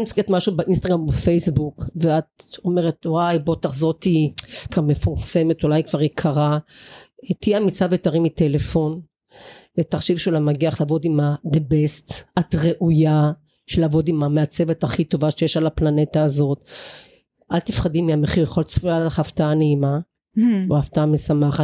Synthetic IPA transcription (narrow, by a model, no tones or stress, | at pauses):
mt͡siɡetmaʃubeʔinst̪aɡʁambefejsbukveat̪̚o̞me̞ʁetwajbo̞taχzo̞tikaʁmefuʁse̞me̞tulajkv̥aʁjekʰaʁa | etijeamit͡savetaʁimitelefo̞n | vetaχʃivʃelamaɡiaχlaːvo̞d̪imad̪ebestatʁeʔuja | ʃelaːvo̞dimameat͡se̞vetaχito̞vaʃejeʃalaplanetaːzo̞t | ʔalt̪ifχadimiameχiʁjeχo̞lt͡sfujalaχaftaaneima | oaftaamesamaχat